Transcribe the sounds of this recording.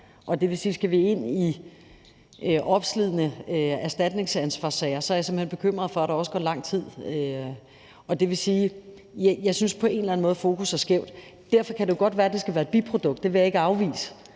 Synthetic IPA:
ʔɒ̽d̥e̝ʋe̝siːsɡ̥æʋee̝n̰i | øʔɒ̽b̥slið̞̰ˠnəæɐsd̥æd̥ne̝ŋsænsʋɑ̈sɛɪɐsɒɐjɑse̝m̩he̝n̰b̥e̝̥kʰøm̰ʁɐðˠfɒ̽æɾ̥ɑ̈ɒ̽sə̥ɡ̥ɒ̰lɑ̈ŋ̰t͡sʰið̞̰ˠø | ɒ̽d̥e̝ʋe̝siː | jɑ̈ɪsynspʰɒ̽e̝ːnlæn̩mɔ̽ːð̩ˠfo̝ːkʰusæɐsɡ̥eʊ̰d̥ | d̥æɐ̰fɒ̽kʰæd̥e̝jo̝ɡ̥ɒ̽d̥ʋæːɐd̥e̝sɡ̥æʋæːɐed̥̚bipʰʁo̝d̥ɔ̽ɡ̥̚d̥ːe̝ʋe̝jɑ̈e̝ɡ̥əɑ̈ʊʋḭːsə̥

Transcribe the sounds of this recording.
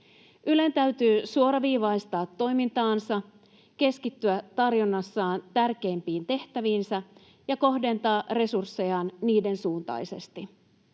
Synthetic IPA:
ʔyle̞nt̪æɥt̪yːsuo̞ɾɑʋiːʋɑist̪ɑːt̪ːo̞jmint̪ɑːnsɑ | k̟e̞skit̪ːyæt̪ɑrjonːɑsːɑːnt̪ærk̟e̞jmpiːnt̪e̞ht̪æʋiːnsæ | jɑko̞hde̞nt̪ɑːre̞sursːe̞jɑnniːde̞nsuːnt̪ɑ̰jse̞̰st̪i

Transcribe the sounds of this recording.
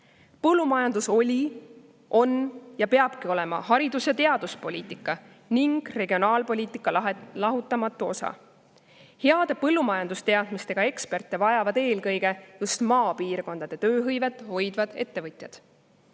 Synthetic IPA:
pɤlːumɑjɑnd̪̥uso̞lʲi | ʔo̞njɑpe̞ɑb̥kio̞lɛ̞mɑ̰hɑɾid̪usjɑt̪e̞ɑd̪uspo̞lʲiːt̪ˑikːˑɑ | niŋɡ̥re̞ɡio̞nɑːlpo̞lʲiːt̪ikːˑɑlɑɦut̪ːˑɑmɑt̪ːˑuo̞sɑ̰ | he̞ɑd̪̥epɤlːumɑjɑnd̪ust̪e̞ɑd̪̥mist̪e̞ɡ̥ɑe̞kspe̞rt̪ːˑe̞vɑjɑvɑd̪e̞ːlkɤjɡe̞just̪mɑːpiːrko̞nd̪̥ɑd̪̥e̞t̪ø̞ːɦɤjve̞t̪ːˑho̞jd̪vɑd̪̥e̞̰t̪ːe̞vɤt̪ʲˑjɑd̪̥

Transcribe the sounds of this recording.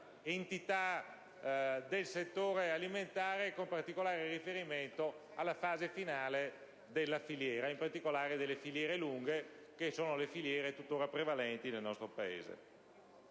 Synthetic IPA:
ent̪it̪a | d̪elset̪ːoːɾealiment̪aːɾekompart̪ikolaːɾeɾifeɾiment̪o | alːafaːzefinaːle | d̪elːafiljɛːɾaimpart̪ikolaːɾed̪elːefiljɛːɾeluŋɡe | kesoːnolefiljɛːɾet̪ut̪ːoːɾapɾevalɛnt̪inelnɔst̪ɾopaḛːzḛ

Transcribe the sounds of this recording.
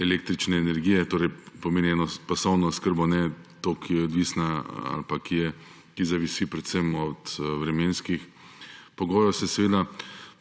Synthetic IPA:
ɛleːk̚t̪ɾit͡ʃnɛːnɛɾɡiːjɛt̪oːɾɛjpɔmeːniɛnɔpasɔwnɔskəɾbɔnɛt̪oːkʰijɛɔd̪ʋisnaa̰lpakijɛ | kizaʋisipɾɛt̪sɛmɔt̪ʋɾɛmeːnskix | pɔɡɔːɾɔsɛsɛʋeːd̪a

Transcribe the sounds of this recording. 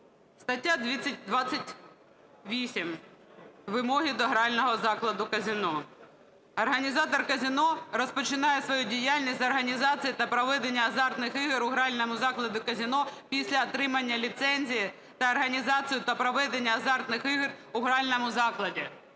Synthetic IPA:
st̪ɐtʲːad̪ʋʲit͡sʲːɐt̚ʲd̪ʋɑt͡sʲːɐtʲ | ʋʲisʲim | ʋɪmɔɦid̪ɔɦɾɑlʲnɔɦɔzɑklˠɐd̪ʊkɐzʲinɔ | ɐrɦɐnʲizɑt̪ɔrkɐzʲinɔɾɔspɔt͡ʃɪnɑjɛsʋɔjudʲijalʲnʲisʲt̪ʲɐrɦɐnʲizɑt͡sʲijit̪ɐpɾɔʋɛd̪enʲːɐːzɑrt̪nɪxɪɦɪɾʊɦɾɑlʲnɔmʊzɑklˠɐd̪ʊkɐzʲinɔpʲisʲlʲɐːt̪ɾɪmɐnʲːɐlʲit̪sɛnʲzʲiji | t̪ɐːrɦɐnʲizɑt͡sʲijʊt̪ɐpɾɔʋɛd̪enʲːɐːzɑrt̪nɪxɪɦɪrʊɦɾɑlʲnɔmʊzɑklˠɐdʲi

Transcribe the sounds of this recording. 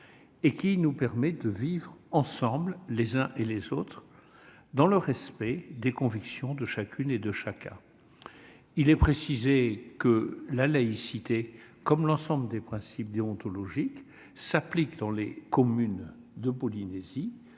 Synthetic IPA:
ekʲinupɛʁmɛd̪əvivʁɑ̃sɑ̃bllezɛ̃ʔelezot̪χ | d̪ɑ̃ləʁɛspɛd̪ekɔ̃viksjɔ̃d̪əʃakʲyned̪əʃakʲʰɛ̰̃ | ilɛpχesizekəlalaisit̪ekɔmlɑ̃sɑ̃bləd̪epχɛ̃sip̚d̪eɔ̃t̪ɔlɔʒik | saplikd̪ɑ̃lekɔmyn | d̪əpɔlinezi

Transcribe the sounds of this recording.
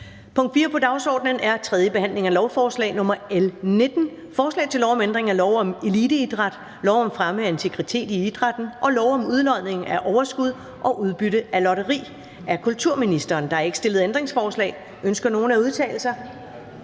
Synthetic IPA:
pʰɔ̽ŋ̰d̥fiːɐpʰɒ̽d̥ɑ̈ʊsɒ̰ːd̥nənæɐt͡sʰʁɛð̞ˠjəb̥e̝hæn̰le̝ŋælɒʊfɒːslɛ̰ːɪnɔ̽mɐelned̥n̩ | fɒːslɛ̰ɪt͡sʰe̝lɒʊɒ̽mend̥ʁeŋælɒʊɒ̽me̝lid̥əid̥ʁɑd̥ | lɒʊɒ̽mfʁaməent͡sʰe̝ɡ̥ʁit͡sʰe̝̰ːd̥iid̥ʁɑ̈d̥n̩ʔɒ̽lɒʊɒ̽muð̞ˠlɒð̰ˠne̝ŋæʔɒʊɐsɡ̥uð̞ˠ | ʔɒ̽ʔuðˠb̥yɾəælɒɾɐʁḭː | æɐkʰult͡sʰuɐ̰minisd̥ɐːnd̥ɑ̈hæɐe̝ɡ̥sd̥e̝ləð̞̩ˠend̥ʁe̝ŋsfɒːslɛ̰ːɪ | ʔønsɡ̥ɐno̝ːn̩æuð̞ˠt͡sʰɛ̰ːl̩sɐ

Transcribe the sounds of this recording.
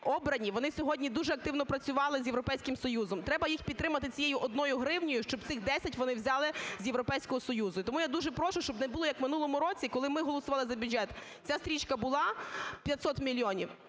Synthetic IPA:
ɔbɾɐnʲiʋɔnɪsʲɔɦɔdʲnʲid̪uʒɛɐk̚t̪ɪwnɔpɾɐt͡sʲʊʋɑlˠɪzʲjewɾɔpɛjsʲkɪmsɔjuzɔmt̪ɾɛbɐjixpʲit̪t̪ːɾɪmɐt̪ɪt͡sʲijejʊʔɔd̪̚nɔjʊɦɾɪwnʲɔjʊʃt͡ʃɔb̚t̪ɪxd̪ɛsʲɐtʲʋɔnɪwzʲɑlˠɪzjeʋɾɔpɛjsʲkɔɦɔsɔjuzʊit̪ɔmujad̪uʒɛpɾɔʃʊʃt͡ʃɔbnɛbʊlˠɔjɐkmɪn̪ulˠɔmʊɾɔt͡sʲikɔlˠɪmɪɦɔlˠɔsʊʋɑlˠɪzɐbʲʊdʒɛt̪ | t͡sʲast̪ɾʲit͡ʃkɐbʊlˠɑpʲjɐt̪sɔt̪mʲilʲjɔnʲiw

